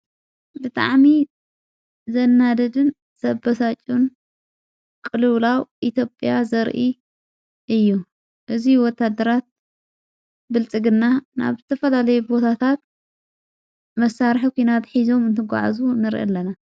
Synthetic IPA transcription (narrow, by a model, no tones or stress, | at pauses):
bɨt̪ʼa̰ʕmi | zɐnːad̪ɐd̪ɨn | sɐbɐsat͡ʃʼun | kʼɨlɨwlawʔit̪jo̞pʼjazɐɾʔi | ʔɨjːu | ʔɨziwɔt̪ʰːad̪ːɐɾat̪̚ | bɨlt͡sʼɨɡɨnːana̰βzɨt̪ʰɐfɐlalɐjubo̞t̪ʰat̪ʰat̪̚ | mɐsːaɾħkʷʰinat̪ħizo̞mɨnt̪ʰɨɡʷa̰ʕa̰zunɨɾʔɐ̰lːɐna